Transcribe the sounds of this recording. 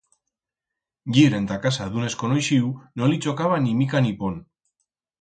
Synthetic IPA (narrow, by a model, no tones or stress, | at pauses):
ɡiɾe̞nt̪akasaðune̞skonojʃiunolit͡ʃo̞kaβanimikanipon